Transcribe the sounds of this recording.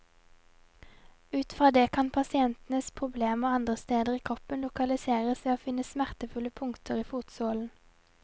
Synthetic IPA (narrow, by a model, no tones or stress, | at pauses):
ʉːt̪fʁɑːd̪eːkʰɑnpʰɑsɪɛnt̪n̩əspʰʁʊbleːmoːɑnd̪ʁəst̪eːd̪əʁiːkʰʁɔpənlʊkɑlɪseːʁəsʋeːoːfɪnəsmæʁt̪əfʉləpʰʊŋkt̪ʰəʁiːfuːt̪soːln̩